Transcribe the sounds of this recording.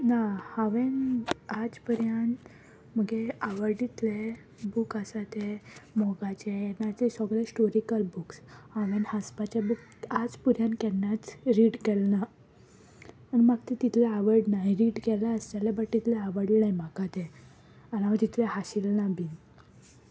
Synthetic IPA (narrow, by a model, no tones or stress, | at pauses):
nahaʋenad͡zpəɾjən | məɡeaʋəɾɖit̪le | bukasat̪emɔɡat͡ɕejɛnat͡sesɔɡlesʈoɾikəlbukshaʋenhəspat͡ɕabuk̚ | ad͡zpuɾjankɛnːjat͡sɾiɽkɛlna | nimaɡ̚t̪et̪it̪ʰlɛəʋəɾɖnajɾiɽkɛlaəst͡ɕalabəʈt̪ːit̪lɛəʋəɾɽlnajmakat̪e | anaʋd͡ʑ̪it̪ʰleɦaɕilnabin